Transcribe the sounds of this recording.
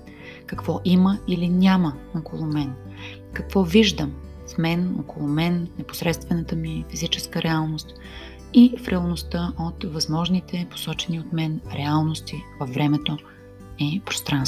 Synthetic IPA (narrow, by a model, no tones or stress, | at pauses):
kɐkvɔʔiməilinʲaməokolˠʊmɛn | kɐkvɔviʒd̪əm | fmɛno̰kolˠʊmɛnːɛpo̥sɾɛt̪st̪vɛnət̪əmifizit͡ʃɛskəɾʔɛalˠnost̪ | ifɾɛəlˠnost̪əʔot̪vɐzmɔʒnit̪ɛpo̥sɔt͡ʃɛniot̪mɛnɾɛalˠnost̪ivɐfːɾɛmɛt̪o | ɛpɾo̥st̪ɾanst̪vo